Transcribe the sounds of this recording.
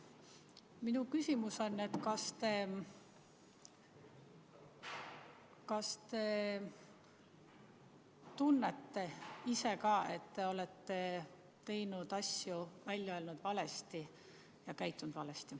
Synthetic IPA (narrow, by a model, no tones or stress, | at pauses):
minukysʲimuso̞nːe̞t̪kɑst̪e̞ | kɑst̪e̞ | t̪unːet̪ːe̞ise̞kɑːe̞t̪ːe̞o̞le̞t̪ːe̞ | t̪e̞jnud̪̥ɑsjuvælʲjɑeːlnud̪̥vɑle̞st̪i | jɑkæjt̪ːˑund̪̥vɑle̞st̪i